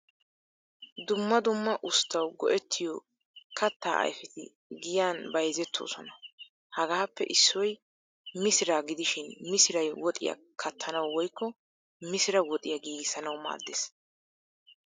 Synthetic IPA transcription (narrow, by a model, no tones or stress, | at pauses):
d̪ʊmːɐd̪ʊmːɐʔʊst̪ːɐwɡɔ̰ʔɛt̪ːɪjɔ | kʰɐt̪ːaːʔɐ̰jfɪt̪ɪ̰ | ɡɪjaːnbɐjzɛt̪ʰːo̰ːsɔnɐ | hɐɡaːpːɛ̰ʔɪsːɔj | mɪsɪɾaːɡɪd̪ɪʃɪnmɪsɪɾɐjwɔt̪ʼɪja̰ | kʰɐt̪ʰːɐnɐwwɔjkːɔ | mɪsɪɾɐwɔt̪ʼɪjɐɡiːɡɪsɐnɐwma̰ːd̪ːes